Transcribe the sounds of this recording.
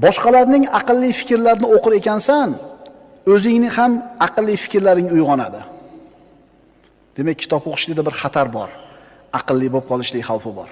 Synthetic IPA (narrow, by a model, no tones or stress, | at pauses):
bɒʃqɑlaɾnɪŋɑqɨlˠːɪjfɪ̥kʲɾlaɾɪnɪoqʰɨɾe̞kʲʰansan | ɵzɪŋnɪhamɑqɨlˠːɪjfɪ̥kʲɾlaɾnɪŋʊjʁɒnad̪ɪ | d̪̥e̞mek̚ʲʰːɪ̥t̪ɒpʰoqʰʊ̥ʃlɪd̪abɪɾχat̪ʰaɾbɒ̰ɾ | ɑqɨlˠːɪbop̚qʰɒlˠɪʃlɪkʲχawˠfɪbɒ̰ɾ